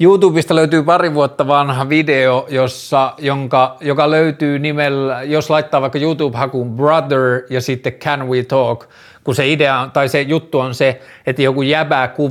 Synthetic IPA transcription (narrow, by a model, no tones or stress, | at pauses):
juːt̪uːbist̪ɑløyt̪yːpɑriʋuot̪ːɑʋɑnhɑʋideojosːɑjoŋkɑjokɑløyt̪yːnimeljoslɑit̪ːɑːʋɑˑikːɑjuːt̪uːbhɑkumbrɑd̪əɹjɑsit̪ːekʰːænwit̪oːk | kuseideɑont̪ɑisejut̪ːuonse | et̪ːæjokujjæpæːku